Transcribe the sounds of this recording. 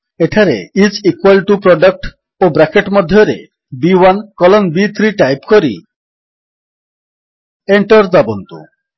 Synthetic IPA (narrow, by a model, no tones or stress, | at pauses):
eʈʰaɾḛid͡ʑikwalʈupɾɔɖak̚ʈ | obɾakeʈmɔd̪ʱːjoɾḛ | biwankɔlonbit̪ʰɾiʈajpkoɾḭ | eɳʈoɾd̪ɔbont̪ṵ